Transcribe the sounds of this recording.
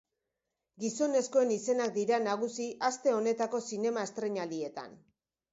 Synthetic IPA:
ɡiso̞ne̞skoe̞nise̞nak̚d̪iɾanaɣ̞usiʔast̪e̞o̞ne̞t̪ako̞sine̞maest̪ɾe̞ɲalie̞t̪a̰n

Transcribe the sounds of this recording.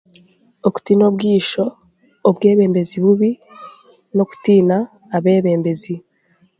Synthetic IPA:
oku̥tino̞bɡiːʃo̞ː | βɡe̞ːβe̞ːmbe̞ziβuβi | no̞ku̥tiːnaː | βe̞ːβe̞ːmbe̞zi

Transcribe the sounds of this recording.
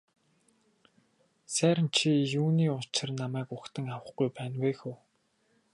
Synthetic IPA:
sæːɾə̆nt͡ɕʰijuːniːʊt͡ɕɪ̆rnamæːkʊxt̪ə̆ŋawə̆χɡujpæːnweːxuː

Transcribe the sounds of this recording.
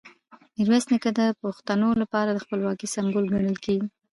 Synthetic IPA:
ɪɾwesnikad̪əpoxt̪anolapɑɾad̪əxpəlwɑkisambolɡaɳəlkeɡi

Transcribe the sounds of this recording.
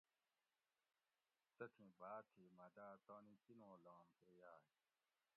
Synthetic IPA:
t͡sɐkʰĩbaːt̪ʰimad̪aːt̪ɔ̃ːnĩtinõːlaːmpejaː

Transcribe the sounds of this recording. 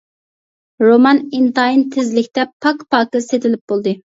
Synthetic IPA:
ɾomɑnint̪ɑint̪ʰɪzlɪkʲt̪ɛpʰɑkpɑːkɨset̪ʰɪlɪp̚b̥olˠd̪ɨ

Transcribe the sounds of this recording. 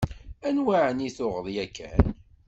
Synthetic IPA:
ænwaʕəniθʊʁəðˤjækʰːæ̰n

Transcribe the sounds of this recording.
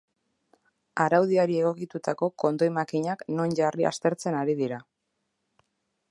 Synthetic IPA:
aɾawðiaɾie̞ɣ̞o̞kit̪ut̪ako̞ko̞nd̪o̞jmakiɲakno̞nʝaria̰st̪e̞ɾt͡se̞naɾiðiɾa

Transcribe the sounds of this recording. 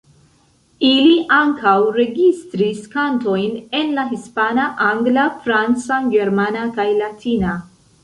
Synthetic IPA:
iliʔaŋkawɾe̞ɡistɾiskanto̞jne̞nlaɦispanaʔaŋɡlafɾant͡saɡe̞ɾmanakajlatʰina

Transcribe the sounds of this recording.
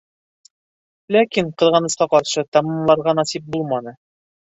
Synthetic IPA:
lækiɴqɤ̆ðʁɑnɤ̆sqɑqɒɾʃɤt̪ɒmɤmlˠɑɾʁɑnɒsip̚bulˠmɑnɤ

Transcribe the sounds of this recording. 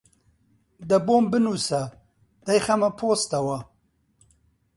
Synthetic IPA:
d̪ɐbombɨnusa | d̪̥ɐjxamɐpʰoːst̪ɐwɐ

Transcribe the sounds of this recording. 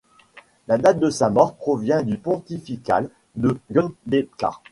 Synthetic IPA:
lad̪at̪̚d̪əsamɔʁpχɔvjɛ̃d̪ypɔ̃t̪ifika̰l | d̪əɡɔnd̪eka̰

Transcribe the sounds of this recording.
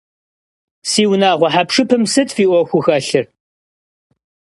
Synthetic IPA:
siːwnaːʁʷɔħapʂɨpʰɨmsɨtfiːʔʷɔxʷʊxɐɬɨr

